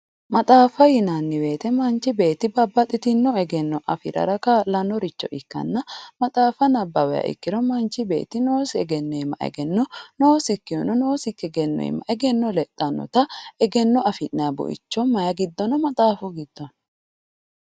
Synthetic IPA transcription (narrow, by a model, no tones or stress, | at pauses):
mɐt̪ʼaːfɐjɪnanːɪwe̞ːt̪ɛmɐnt͡ʃːɪbe̞ːt̪ːɪbɐbːɐt̪ʼɪt̪ɪnːɔɛɡɛnːɔʔɐfɪ̰ɾɐ̰ɾɐkalɐnɔɾɪt͡ʃːɔ̰ʔɪkːɐ̰nːɐmɐt̪ʼaːfɐnɐbːɐwɛjɐ̰ʔɪ̰kːɪɾɔmɐnt͡ʃːɪbe̞̰ːt̪ɪnoːsɛɡɛnːɔɛmːɐ̰ʔɛ̰ɡɛnːɔnoːsɪkːɪjɔnɔnoːsɪkːɛɡɛnːɔ̰jɛ̰mːɐ̰ʔɛɡɛnːɔlɛt̪ʼːɐnːɔ̰t̪ɐɛɡɛnːɔɐfɪnːɛjɐbʊ̰ʔɪ̰t͡ʃːɔmɐjɐɡɪd̪ːɔnɔmɐt̪ʼaːfɔɡɪd̪̥ːɔn